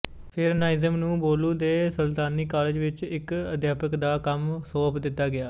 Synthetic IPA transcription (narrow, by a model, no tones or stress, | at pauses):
pʰɪɾnaːɪzəmnũːboːluːd̪eːsəlt̪aːniːkaːleːd͡ʒʋɪt͡ʃɪkəd̪jaːpəkd̪aːkəmsoːpʰd̪ɪt̪ːaːɡɪaː